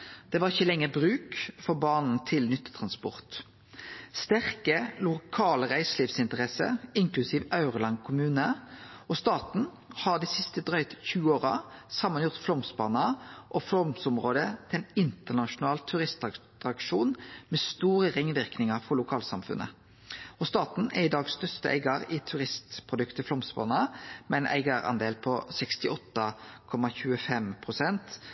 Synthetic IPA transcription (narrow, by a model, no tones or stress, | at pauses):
d̪̥ɛʋɑʁɪçəlɛŋːəbʁʉːkfɔʁbɑːʁnn̩t̪ʰɪlnʏt̪ːə̥t̪ʰʁɑnspɔ̰ʁt̪ | st̪æʁkəlʊkʰɑːləʁæɪsliːfsɪnt̪əʁɛsə̰ɪŋklʉsiːʋɑʉʁəlɑŋkʰʊmʉːnəɔst̪ɑːt̪n̩ | hɑʁd̪iːsɪst̪əd̪ʁœʏt̪çʉːəoːʁɑ̰sɑmːənjʊʁt̪flɔmsbɑːnɑʔɔflɔmsɔmʁoːd̪ət̪ʰɪlɛnɪnt̪əʁnɑʂʊnɑːlt̪ʰːʉʁɪst̪ɑt̪ʁɑkʂuːnmɛst̪uːʁəʁɪŋʋɪʁknɪŋɑʁfɔʁlʊkʰɑːlsɑ̰mfʉ̰nʔə̰ | ɔst̪ɑːt̪n̩æɪd̪ɑːɡsst̪œst̪əʔæ̰ɪɡɑɾɪt̪ʰʉʁɪst̪pʰʁʊd̪ʉkt̪əflɔmsbɑ̰ːnɑmɛnʔæ̰ɪɡəɾɑ̰nd̪eːlpʰɔsɛkst̪ɪɔt̪ːɑkʰɔmɑçʉːəfɛmpʰʁʊsɛnt̪